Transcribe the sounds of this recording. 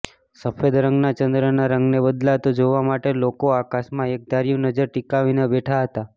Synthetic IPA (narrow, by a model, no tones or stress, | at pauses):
səfʰed̪ɾə̃ŋɡnat͡ʃənd̪ɾənaɾəŋɡnebəd̪lat̪od͡ʒoʋamaʈelokoakaʃmãek̚d̪aɾijũnəd͡ʒəɾʈikaʋinebɛʈʰaɦət̪a